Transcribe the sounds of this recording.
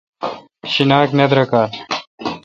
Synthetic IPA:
ɕinaːknɐd̪ɾɐkaː

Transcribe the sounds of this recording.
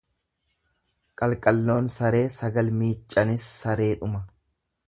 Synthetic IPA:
kʼɐlkʼɐlːo̞ːnsɐɾe̞ːsɐɡɐlmiːt͡ʃʼːɐnɪsːɐɾe̞ːᶑʊmɐ

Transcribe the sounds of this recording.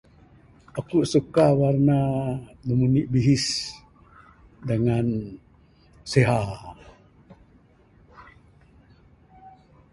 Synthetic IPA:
ʔakuʔsukawarnanəmuniʔbiɦis | dəŋan | seɦa

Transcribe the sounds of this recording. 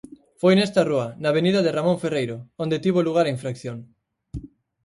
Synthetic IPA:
fojnest̪aruɐnaβ̞eniðɐðeramõɱferejɾoond̪et̪iβ̞oluɣ̞aɾaiɱfɾakθjoŋ

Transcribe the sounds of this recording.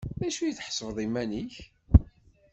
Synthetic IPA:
ðæʃujəθħsˤvðˤimːæniç

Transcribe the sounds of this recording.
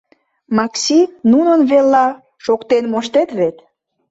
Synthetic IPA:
mɑksʲinunənβelːɑ | ʃokt̪enmoʃt̪et̪βet̪

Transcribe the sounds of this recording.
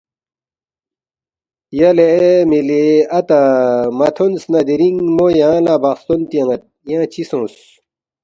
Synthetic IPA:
jɐlemileɐt̪amɐt̪ʰonsnɐd̪iɾiŋmojãːlabɐχst̪ont̪iɐ̃ŋɐt̪̚jãːt͡ɕʰisõːs

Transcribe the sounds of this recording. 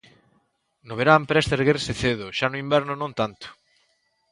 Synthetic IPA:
noβeɾampɾɛst̪eɾɣerseθeðʊʃanʊimbɛɾnʊnõnt̪ant̪ʊ̥

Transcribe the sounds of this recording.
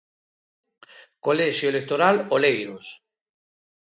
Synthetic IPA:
kolɛʃjoelek̚t̪oɾalolejɾos

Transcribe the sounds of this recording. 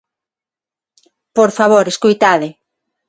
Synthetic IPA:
poɾfaβoɾeskojt̪aðɪ

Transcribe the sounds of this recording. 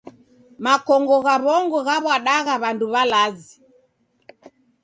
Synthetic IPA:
makɔŋɡɔɣaβɔŋɡɔɣaβwaɗaɣaβanduβalazi

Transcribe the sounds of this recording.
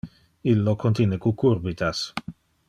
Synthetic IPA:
ilːokʰont̪jinekukurbit̪as

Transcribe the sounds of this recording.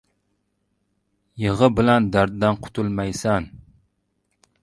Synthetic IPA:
jeʁəbɪlɛnd̪æɾd̪d̪ænqʰʊ̥t̪ʰulˠmɛjsɛn

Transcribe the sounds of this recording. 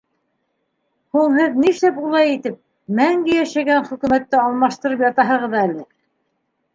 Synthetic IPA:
huɴhɘðniʃlæpulˠɑjit̪ɘp̚ | mæŋɡɘjæʃæɡænχɵ̆kʉ̆mæt̪ːɘɑlˠmɑʃt̪ɤ̆ɾɤpjɑt̪ɑɦɤ̆ʁɤðælɘ

